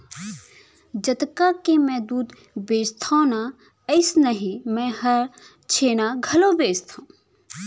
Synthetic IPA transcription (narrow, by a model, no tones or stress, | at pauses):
d͡ʒət̪kakemɛd̪uːd̪ | beːst̪ʰõːna | əɪsnəɦimɛ̃ɦəɾ | t͡ʃʰeːnaɡʱɐlobeːst̪ʰã